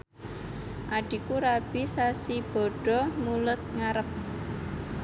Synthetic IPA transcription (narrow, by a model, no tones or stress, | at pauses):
ʔaɖ̥i̤kuɾab̥isasib̥ɔ̤ɖ̥ɔ̤mulʊt̪̚ŋaɾəp̚